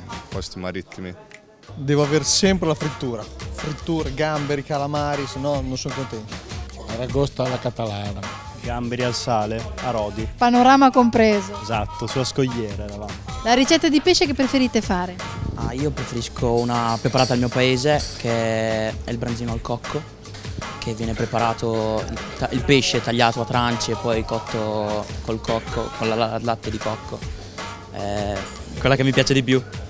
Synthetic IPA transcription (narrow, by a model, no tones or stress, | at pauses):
pɔst̪imaɾit̪ːimi | d̪ɛːvoaveɾsɛmpɾelafɾit̪ːuːɾafɾit̪ːuːɾeɡambeɾikalamaːɾisnɔnonsoŋkont̪eut̪o̥ | aɾaɡɔst̪alakat̪alɛna | ɡambeɾialsaːleaɾɔːd̪ipanoɾaːmakompɾeːzoezat̪ːosuaskoʎːɛːɾalavant̪ilaɾit͡ʃɛt̪ːad̪ipeʃekepːɾefeɾit̪efaːɾea̰iːopɾefeɾiskʰounapɾepaɾaːt̪aːlmiːopaeːzek̟ʰeɛɛ̰ilbɾanziːnoalkɔkʰːo | k̟ʰevːjɛːnepɾepaɾaːt̪oilt̪ailpeʃːet̪aʎːaːt̪oat̪ːɾant͡ʃeːpːɔjkɔt̪ʰːokolkɔkʰːokolalalat̪ːed̪ikɔkʰːo | ɛ̰ | kwelːakemːipjaːt͡ʃed̪ipju